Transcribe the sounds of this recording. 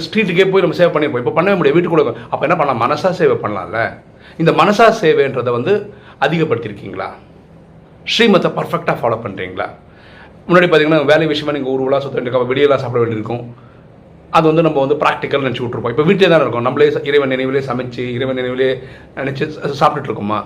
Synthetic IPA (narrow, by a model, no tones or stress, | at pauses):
sʈiːʈ̬ːɯk̬ːeːpoːjinɐmːɐseːʋepɐɳːɪɾpõːɪpːoːpɐɳːɐʋeːmɪɽiɐʋiːʈːɯkːɔɽɐkːõɐpːoːɛnːɐp̬ɐɳɐlãːmɐnɐsaːseːʋepɐɳːɐlã̰ːɪlːɐ̰ | ɪnd̪ɐmɐnɐsaːseːʋeɛndrɐðɯʋɐnd̪ɯ | ɐðɪɣɐpːɐɽɯt̪ːɪɾɯkːḭːŋɡɐɭa̰ː | ʂɾiːmɐt̪ːɛpɐɾfɛk̚ʈaːfaːloːpɐɳːɾḭːŋɡɐɭa̰ː | mʊnːaːɽip̬aːt̪iŋɡɐnːʋeːlɐjʋɪʂɐjɐmaːniːŋɡɐʊɾɯʋɐlãːsɔt̪ːɐʋeːɳɖɪɾɯkːaɐpːɐʋɪɽɪjɐlːãːsaːp̬ɪɽɐʋeːɳɖɪɾɯkːʊ̃ | ɐðɯʋɐnd̪ɯnɐmːɐʋɐnd̪ɯpɾaːk̚ʈɪkːɐlanɛnɛt͡ʃːuːʈːɪɾɯpːõːɪpːoːʋiːʈ̬ːleːt̪ãːnɪɾɯkːʊ̃nɐmːɐleːɪɾɐɪʋɐnɪnɐɪʋɪleːsɐmɛɪt͡ʃːɯɪɾɐɪʋɐnɪnɐɪʋɪleː | ɛnɛt͡ʃːɯsaːp̚ʈɪʈːɪɾɯkːɯma̰ː